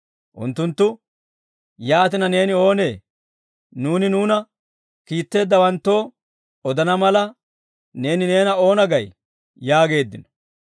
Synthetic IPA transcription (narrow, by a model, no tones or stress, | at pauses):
ʔʊ̰nt̪ːʊnt̪ːʊ | jaːt̪ɪnɐne̞ːnɪo̞ːne̞ː | nuːnɪnuːnɐ | kiːt̪ːe̞ːd̪ːɐwɐnt̪ːo̞ː | ɔd̪ɐnɐmɐlɐ | ne̞ːnɪne̞ːnɐo̞ːnɐɡɐj | jaːɡe̞ːd̪ːɪnɔ̥